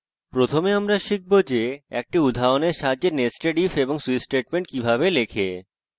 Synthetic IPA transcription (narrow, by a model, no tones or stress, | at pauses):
pɾot̪ʰomeamɾaʃik̚bod͡ʑeɛ̰k̚ʈiud̪ʱaoneɾʃad͡ʑeɾnesʈeɖifeboŋsuisʈeʈmeɳʈ̚kibʱabelekʰe